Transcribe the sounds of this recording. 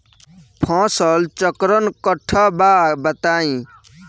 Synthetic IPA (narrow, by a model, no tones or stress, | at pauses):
pʰɔ̃sɔlt͡ʃɔkɾɔnkɔʈʰːɔbaːbət̪aːĩ